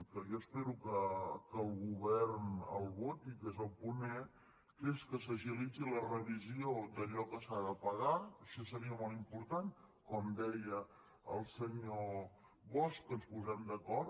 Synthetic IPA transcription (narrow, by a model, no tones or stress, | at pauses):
kəjɔəspɛɾukəkəlˠɣuβɛɾnə̰lˠβot̪ikezəlˠpunɛ | keskəsəʒilit͡silərəβiziod̪əʎɔkəsaðəpəɣaʃɔsəɾiəmɔlˠimpuɾt̪an | kɔmd̪ɛjə | əlˠsəɲo | βɔskənspuzɛmd̪əkɔɾ